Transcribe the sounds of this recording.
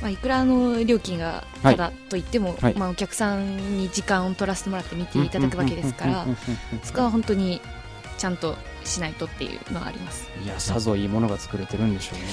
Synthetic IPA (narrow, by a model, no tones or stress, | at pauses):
maikɯ̟ɾaːno̞ɾʲo̞ːkʲĩŋɡa̰ | ad̪at̪ːo̞it̪ːe̞mo̞imaokʲakɯ̟̥sãɲid͡ʑikãɰ̃o̞t̪o̞ɾase̥t̪emo̞ɾat̪ːe̞mʲit̪e̞it̪ad̪akɯβake̞d̪esɨ̥kaɾaso̞ko̞β̞aɦõ̞nt̪o̞ɲ̟i | t͡ɕãnt̪o̞ | ɕinait̪o̞t̪ːe̞̰jɯ̰ːnoɡa̰ːɾʲḭmasɨ̥iasazo̞iːmo̞no̞ɡat͡sɨ̥kɯ̟ɾe̞t̪e̞ɾɯ̟̃nd̪e̞ɕo̞ː